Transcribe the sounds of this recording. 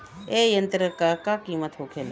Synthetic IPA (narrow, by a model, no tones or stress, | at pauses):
ejɐnt̪ɾəkakakiːmət̪ɦokʰel